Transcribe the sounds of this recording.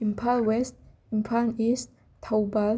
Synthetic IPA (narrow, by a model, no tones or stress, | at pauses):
ĩmpʰalwɛst̚ | ĩmpʰanist | tʰawbal